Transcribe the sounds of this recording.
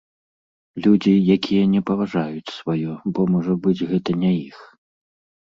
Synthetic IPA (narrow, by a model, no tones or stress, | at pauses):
lʲud͡zʲijakʲʰijɐnʲɛpɐvaʐajut͡sʲsvajɔbɔmɔʐɐbɨd͡zʲɣɛt̪ɐnʲɛjix